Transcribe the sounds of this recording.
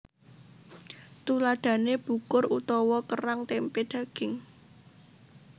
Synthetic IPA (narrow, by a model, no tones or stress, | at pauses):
t̪ulaɖ̪̥ä̤neb̥ṳkʊrut̪ɔwɔkəɾaŋt̪emped̪̥ä̤ɡ̥ɪ̤ŋ